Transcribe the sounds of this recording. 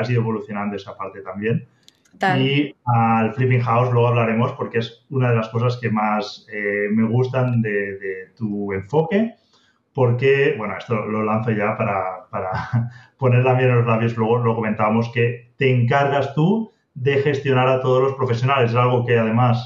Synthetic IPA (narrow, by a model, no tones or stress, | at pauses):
asiðoeβo̞luθjo̞nãnd̪oe̞sapaɾt̪e̞t̪ambje̞n | ialfɾipiŋxawzlwe̞ɣ̞aβlaɾe̞mo̞spo̞ɾke̞esunað̞e̞lasko̞saske̞maseme̞ɣ̞ust̪and̪e̞ðet̪ue̞ɱfo̞ke̞ | po̞ɾke̞bwe̞noe̞st̪o̞lo̞lan̟θo̞ʝapaɾapaɾapo̞ne̞ɾlamjenlozlaβjoslwe̞ɣ̞olo̞ko̞ment̪aβamo̞ske̞t̪e̞ːŋkaɾɣast̪u | ðe̞xe̞st̪jo̞naɾat̪o̞ð̞o̞zlo̞spɾo̞fes̬jo̞nale̞s̬esalɣo̞keað̞e̞mas